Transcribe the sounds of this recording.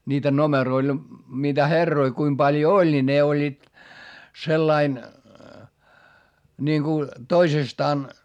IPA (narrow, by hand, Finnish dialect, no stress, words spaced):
niːtæ nomeroil niːtæ herːoi kuim b̥ɑljo olʲ ni ne olʲːiːt selːɑin nʲiŋku toisestɑːn